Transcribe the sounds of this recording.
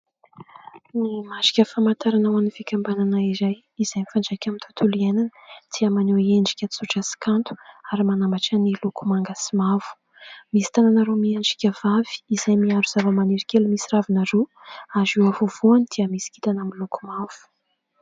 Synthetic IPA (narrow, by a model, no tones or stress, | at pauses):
nimaʃi̥kʲəfamant̪aɾanawanivikʲambananaizaj | iz̥ajnifaɳɖ͡ʐakʲamint̪ʰḁt̪ʰulienanəd̪̥iəmaneeɳɖ͡ʐikʲət͡suʈ͡ʂasi̥kant̪u̥aɾimanambaʈ͡ʂanilukumaŋɡasimav̥u̥ | misi̥t̪ananaɾomieɳd͡ʒi̥kʲəvavi̥ːzajmiaɾuz̥avəmaneɾikʲelumisiɾavinaɾo | aziwavuv̥uanid̪̥iəmisi̥ki̥t̪anamiluku̥mav̥u̥